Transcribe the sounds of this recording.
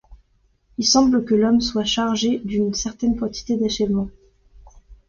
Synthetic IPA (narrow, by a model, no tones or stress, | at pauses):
ilsɑ̃bləkəlɔmswaʃaʁʒed̪ynsɛʁt̪ɛnkɑ̃t̪i̥t̪ed̪aʃɛvmɑ̃